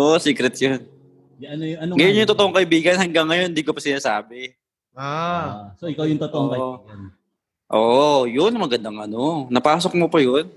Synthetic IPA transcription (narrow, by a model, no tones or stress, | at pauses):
oʔosiːkɾɛt̪̚jon | ɐnojɐnɡɐjʊnjʊŋt̪ot̪oʔoŋkɐʔɪbiːɡɐnhɐŋɡɐŋːɐjond̪iːkopɐsɪnaːsaːbɛ | asoɪkawjʊŋt̪ot̪oʔoŋkɐn | ʔoːʔjʊnmɐɡɐnd̪ɐŋʔɐnonɐpaːs̬ok̚mopɐjon